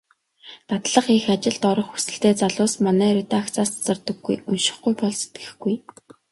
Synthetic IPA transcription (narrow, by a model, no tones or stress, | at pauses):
t̪at̪ɮə̆χixat͡ɕɪ̆ɮt̪ɔɾɞ̆χxu̥sɘ̆ɬt̪eːt͡saɮʊːsmanæːɾet̪aːkt͡sʰaːst͡sɔ̆rt̪ɞ̆ɡːṵjɵnʃɪ̥̆χɡujpɔɮse̥t̪ɡɘ̥̆xɡuj